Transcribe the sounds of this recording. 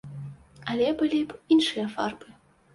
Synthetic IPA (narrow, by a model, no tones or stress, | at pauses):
alʲɛbɨlʲipinʂɨjɐfa̰rbɨ